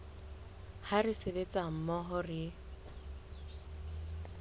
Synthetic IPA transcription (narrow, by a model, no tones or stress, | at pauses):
harɪsebet͡sʼam̩mɔɦɔrɪ